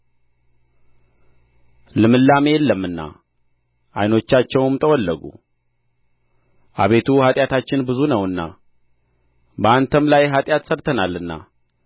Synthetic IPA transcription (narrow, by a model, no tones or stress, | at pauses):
lɨmɨlːamjɛlːəmːɨnːa̰ | ʔa̰jno̞t͡ʃːat͡ʃːɛwɨmt̪ʰəwɔlːəɡṵ | ʔa̰βe̞t̪ʰuhat̪ʼjat̪ʰat͡ʃːɪnbɨzunəwɨnːa̰ | bəant̪ʰəmlajɦat̪ʼjat̪səɾt̪ʰənalːɨnːa̰